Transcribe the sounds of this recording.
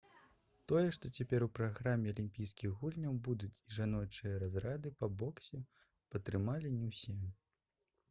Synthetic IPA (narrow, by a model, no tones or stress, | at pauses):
t̪ɔjɛʂt̪ɔt͡sʲapʲɛɾupɾaɣɾamʲːɛɐlʲimʲpʲijskʲiɣɣulʲnʲɐwbud̪ut͡sʲiʐanɔt͡ʂɨjɐɾazɾad̪ɨpɐbɔksʲɛ | pɐt̪ɾɨmalʲinʲɛwsʲɛ